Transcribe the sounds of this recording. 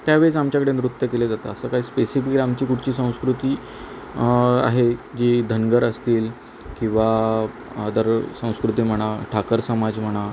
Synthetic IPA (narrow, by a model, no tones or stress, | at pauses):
t̪jaʋeɭt͡samt͡ɕjakəɽenɾut̪ːəkeled͡zat̪aəsəːkaɦiːspesifikɾamt͡ɕiːkuʈt͡ɕiːsə̃w̃skɾut̪iː | a̰ɦed͡ʑid̪ʱənɡəɾəst̪iːl | kĩw̃ʋa | d̪əɾsə̃w̃skɾut̪iːm̤əɽ̃aʈʰakəɾsəmad͡zm̤əɽ̃a